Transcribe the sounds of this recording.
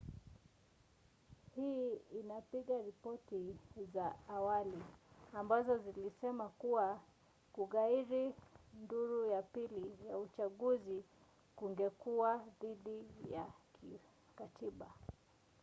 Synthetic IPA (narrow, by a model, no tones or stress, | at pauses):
hiːinapiɠaɾipɔtizaːwaliambazɔzilisɛmakuwa | kuɣaiɾinduɾujapilijaut͡ʃaɠuzi | kuŋɡɛkuwaðiɗija̰ki | katiɓa